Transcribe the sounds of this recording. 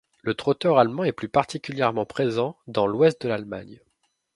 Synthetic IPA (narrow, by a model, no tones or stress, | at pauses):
lət̪χɔt̪œʁalmɑ̃ɛplypaʁt̪ikʲyljɛʁmɑ̃pχezɑ̃d̪ɑ̃lwɛst̪̚d̪əlalma̰ɲ